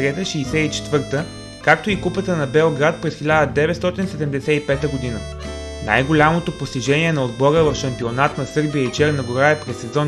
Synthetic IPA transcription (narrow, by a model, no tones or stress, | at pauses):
ɾɛt̪əʃiːsɛit͡ʃɛ̥t̪vɤɾt̪ə | kak̚t̪oikupət̪ənɐbɛlˠɡɾat̪̚pɾɛsxilʲad̪əd̪ɛvɛt̪st̪ɔt̪insɛd̪ɛmd̪ɛsɛipɛt̪əɡod̪inə | na̰jɡolʲamot̪opost̪iʒɛniɛnɐod̪bɔɾəvɐfʃɐmpionat̪nɐsɤɾbijəit͡ʃɛɾnəɡoɾaɛpɾɛsːɛzɔ